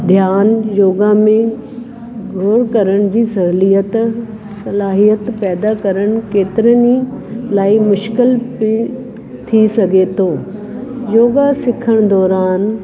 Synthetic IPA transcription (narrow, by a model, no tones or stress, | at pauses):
d̪ʱjaːnjoːɡamẽ | ɡʱoːɾkɐɾəɽ̃d͡ʑiːsɐɦlijət̪ | sɐlaːɦijət̪pɛːd̪akɐɾəɽ̃keːt̪ɪɾənilaːimʊʃkɪlp | t̪ʰisɐɡʱet̪ʰoː | joːɡasɪkʰəɽ̃d̪ɔːɾaːn